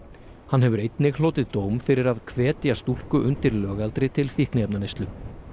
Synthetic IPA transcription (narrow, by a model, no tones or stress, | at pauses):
hanɦɛvʏɾejt̪nɪɣloːt̪ɪðt̪oːwmfɪɾɪɾaðkʰvɛːt̪jast̪ul̥kʏʔʏnt̪ɪɾlœːɣalt̪ɾɪt̪ʰɪlfihknɪɛpnanest̪lʏ